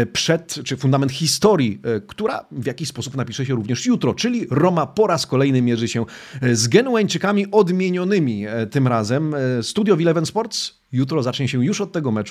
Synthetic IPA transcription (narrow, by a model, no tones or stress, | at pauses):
pʂɛt̪t͡ʂɘfund̪amɛnt̪xʲist̪ɔɾjikt̪uɾa̰vʲjakʲiɕʲspɔsupnapʲiʂɛɕɛɾuvɲɛʂjut̪ɾɔt͡ʂɘlʲiɾɔmapɔɾaskɔlɛjnɘmʲjɛʐɘɕɛzɡɛnuaɲt͡ʂɘkamʲiʔɔd̪mʲjeɲɔnɘmʲit̪ɘmɾazɛmst̪ud̪ʲjɔvʲilɛvɛnspɔɾt̪s | jut̪ɾɔzat͡ʂɲɛɕɛjuʂɔt̪̚ːɛɡɔmɛt͡ʂu